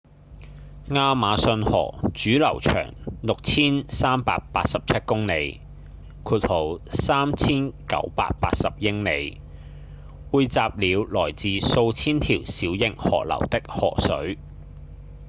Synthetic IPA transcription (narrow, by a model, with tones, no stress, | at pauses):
ŋaː˧maː˨˧sɵ˧nhɔ̰ː˨˩t͡ʃyː˨˥lɐ̰˨˩wt͡ʃʰœ̰ː˨˩ŋlʊ˨k̚t͡sʰiː˥nsaː˥mpaː˧k̚paː˧t̚sɐ˨p̚t͡sʰɐ˥t̚kʊ˥ŋne˨˧j | kʰuː˨˧t̚ho˨˩wsaː˥mt͡sʰiː˥nkɐ̰˨˧˥wpa̰ː˧k̚pa̰ː˧˥t̚sɐ˨p̚jɪ˥ŋne˨˧j | wuː˨˧jt͡saː˧p̚liː˨˧wlɔː˨˩jt͡siː˨so˧wt͡sʰiː˥nt̪ʰiː˨˩wsiː˨˥wjɪ˨ŋhɔ̰ː˨˩k̚lɐ̰˨˩wt̪ɪ˥k̚hɔ̰ː˨˩sɵ˨˥ɥ